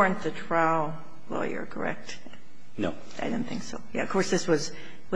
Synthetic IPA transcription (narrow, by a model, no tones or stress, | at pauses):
ɹɨ̃nðɨtʰɹ̥aʊlˠ | wɛ̰lˠjə̰˞kʰə̰˞ɛ̰k̚t | noʊ | aɪɾõʊ̃nθɪ̃ŋksoʊjæ̰ʌ̰v̥kʰɔɹsðɪswʌz | w